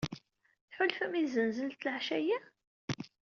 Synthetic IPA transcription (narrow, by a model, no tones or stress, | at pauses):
θħʊlfæmiθzənzəlt̪lʕʃæjæ